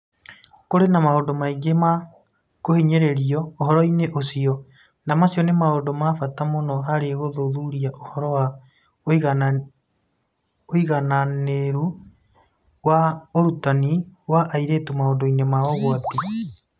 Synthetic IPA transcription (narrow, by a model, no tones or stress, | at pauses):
koɾenamahondomaiɡema | kohiɲeɾeɾiɔoɦɔɾɔineʔosiɔ | namasjɔnemaondomafatamonɔɦaɾeɣoðoðuɾiaʔohɔɾɔwa | ɣ | oiɣananeɾu | waoɾutaniwaʔaiɾeːtumahondoinemaɔɣoati